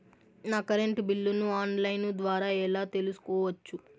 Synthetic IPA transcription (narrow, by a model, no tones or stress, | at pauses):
naːkɐɾeɳʈbilːunuaːnlɐjnud̪ʋaːɾaːɛlaːt̪e̞lusu̥kɔːʋɐt͡ʃːu